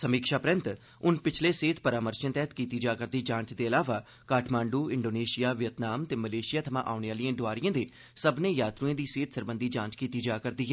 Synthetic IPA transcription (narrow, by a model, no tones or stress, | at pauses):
səmiːkʃaːpɾɪ̃nt̪ | ʊnpɪt͡ʃʰleːseːt̪pəɾaːməɾʃə̃nt̪ɛːt̪kiːt̪iːd͡ʒaːkəɾd̪iːd͡ʒãːɲt͡ʃd̪eːəlaːʋaː | kaːʈʰmãːɳɖuːɪɳɖoːneːʃɪjaːʋɪjət̪naːmt̪eːməleːʃɪjaːt̪ʰəmã̰ːʔaːʊneaːlɪjãːɖʊaːɾijãːd̪eː | səbnẽːjaːt̪ɾuẽːd̪iːseːt̪ʰsəɾbənd̪iːd͡ʒãːt͡ʃkiːt̪iːd͡ʒaːkəɾd̪iːɦɛː